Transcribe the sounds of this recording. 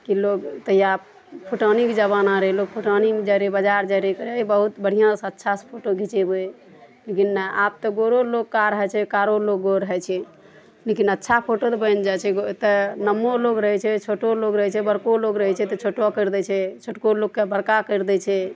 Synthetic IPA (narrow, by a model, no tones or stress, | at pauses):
kiloɡt̪əjap | pʰuʈaniked͡ʒəβanaɾəɦɛloɡ̚pʰuʈanimed͡ʒaɾebəd͡ʒaɾd͡ʒaɾekəɾeibəɦut̪bəɽ̤ijãsətːʃʰaspʰoʈoɡʱit͡ʃeboe | lekinːaap̚t̪ɔɡoɾolokkːaɾəɦɛt͡ʃʰɛkaɾoloɡɡoɾəɦɛt͡ʃʰɛ | lekinətːʃʰapʰoʈot̪ɔbənd͡ʒat͡ʃʰɛɡot̪ənəmːoloɡɾəɦɛt͡ʃʰɛt͡ʃʰoʈoloɡɾəɦɛt͡ʃʰɛbəɾkoloɡɾəɦɛt͡ʃʰɛt̪ɔt͡ʃʰoʈɔkəɾd̪ɛt͡ʃʰɛt͡ʃʰoʈkoloɡkebəɽkakəɾd̪ɛt͡ʃʰɛ